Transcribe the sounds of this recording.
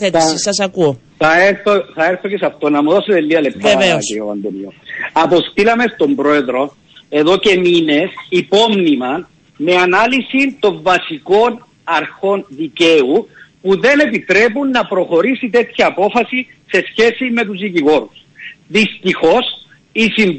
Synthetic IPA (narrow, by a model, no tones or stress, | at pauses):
θet̪isɐsɐkuo | θɐeɾθoθɐeɾθo̞cesɐft̪o̞nɐmuðo̞sot̪elːiɐlep̚t̪aeokeoɐ̰nd̪oniosɐpo̞st̪ilɐme̞st̪o̞mbɾo̞e̞ðɾo̞ | e̞ðo̞ce̞mine̞sipo̞mnimɐ | me̞anɐlisit̪o̞ɱvɐsiko̞n | ɐɾxo̞nðice̞upuðe̞ne̞pit̪ɾe̞punːɐpɾo̞xo̞ɾisit̪e̞t̪çɐːpo̞fɐsi | se̞sçe̞sime̞t̪uzðiciɣo̞ɾus | ðist̪ixo̞s | isim